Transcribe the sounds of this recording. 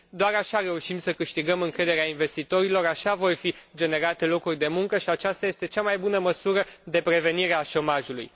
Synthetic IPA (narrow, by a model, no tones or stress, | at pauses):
d̪oaɾaʃaɾe̞uʃimsəkɨʃt̪iɡəmɨŋkɾe̞d̪e̞ɾeainve̞st̪it̪o̞ɾilo̞ɾaʃavo̞rfid͡ʒe̞ne̞ɾat̪e̞lo̞kurʲd̪e̞muŋkəʃiat͡ʃast̪aje̞st̪e̞t͡ʃamajbunəməsuɾəd̪e̞pɾe̞ve̞niɾeaʃo̞maʒulṵj